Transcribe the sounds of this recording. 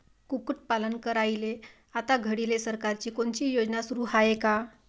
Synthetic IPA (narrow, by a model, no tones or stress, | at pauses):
kukuʈ̚palənkəɾaile | at̪aɡʱəɽilesəɾkaɾt͡ɕiːkoɳt͡ɕiːjod͡ʑnasuɾuːhaeka